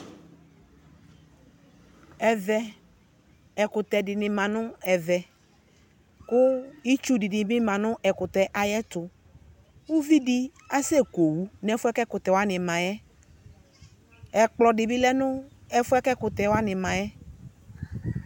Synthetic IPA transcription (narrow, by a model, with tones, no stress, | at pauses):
ɛ˨vɛ˨ | ɛ˨kʊ˨t̪ɛ˨dɪ˨nɪ˨mã˨nʊ̃˦ɛ˨vɛ˨ | kʊ˦i˦t͡ʃu˦dɪ˨nɪ˨bɪ˦mã˨nʊ̃˦ʔɛ˨kʊ˨t̪ɛ˨ʔa˨jɛ˦t̪ʊ˨ | u˦vi˦dɪ˦ | a˦sɛ˦ko˨wu˦nɛ˦fʊ˦ɛ˦kɛ˦kʊ˨t̪ɛ˨wa˦nɪ̃˨mã˨jɛ˦ | ɛ˨k͡plɔ˨dɪ˨bɪ˦lɛ˦nʊ̃˦ | ɛ˦fʊ˦ɛ˦kɛ˦kʊ˨t̪ɛ˨wa˦nɪ˨mã˨jɛ˦